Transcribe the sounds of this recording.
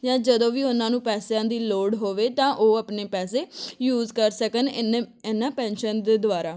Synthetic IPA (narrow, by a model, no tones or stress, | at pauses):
jãːd͡ʒəd̪õːʋiːʊnãːnũːpɛːsjãːd̪iːloːɽɦoːʋeːt̪ãːʔoːəpneːpɛːseːjuːzkəɾsəkənɪnːãːpɛ̃ːnʃənd̪eːd̪ʊaːɾaː